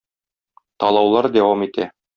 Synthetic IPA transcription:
t̪ɒlˠɑwlˠɑɾd̪æwɑmit̪æ

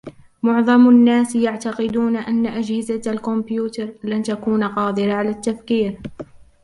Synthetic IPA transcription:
mʊʕðˤɑmnːaːsjaʕt̪aqɪd̪uːnaʔanːaʔad͡ʒhɪzalkʊmbjuːt̪ɑɾˤlant̪akuːnaqɑːd̪ɪɾaʕalaːt̪ːafkiːɾ

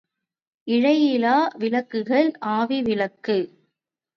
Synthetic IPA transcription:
ʔɪɻɐjɪlaːʋɪlɐkːɯɣɐɭʔaːʋiʋɪlɐkːɯ

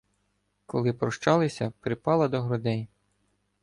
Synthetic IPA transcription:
kɔlˠɪpɾɔʃt͡ʃɑlˠɪsʲɐpɾɪpɑlˠɐd̪ɔɦɾɔd̪ɛj

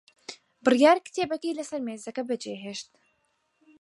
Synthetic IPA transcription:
bɨrjaːɾkt̪eːbɐkiːlɐsɐɾmeːzɐkɐbɐd͡ʒeːɦeːʃt̪̚

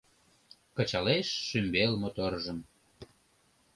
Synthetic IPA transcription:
kət͡ɕɑleʃːymbelmot̪orʒəm

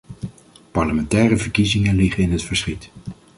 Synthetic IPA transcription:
pɑɹləmɛntɛːrəvəɹkizɪŋənlɪχəɪnɦətfəɹsχit

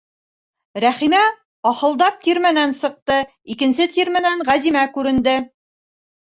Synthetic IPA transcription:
ɾæχimæ | ɒχɤ̆lˠd̪ɑp̚t̪iɾmænænsɤ̆q̚t̪ɤ | ikɘ̆nsɘt̪iɾmɘnæɴʁæzimækʉɾɘ̆nd̪ɘ

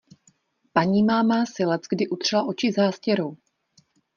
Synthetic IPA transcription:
paɲiːmaːmaːsɪlɛt͡sɡdɪʔut̪r̝̥ɛlaʔo̞t͡ʃɪzaːscɛɾow

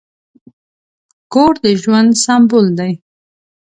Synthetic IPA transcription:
koɾd̪əʒwand̪sambʊld̪aj

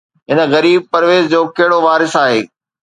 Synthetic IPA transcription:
ɦɪnə̆ɣɐɾiːb̚pɐɾʋeːzd͡ʑoːkeɦɪɽoʋaːɾɪsaːɦeː

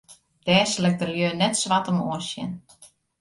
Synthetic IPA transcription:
d̥ɛːslɛk̚dəljøːnɛtsʋatəmoəsjɪ̰n

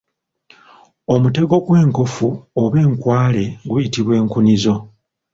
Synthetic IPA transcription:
o̞mute̞ɡo̞ɡwe̞ːŋko̞fuoβe̞ːŋkwaːle̞ɡujitiβwe̞ːŋkunizo̞

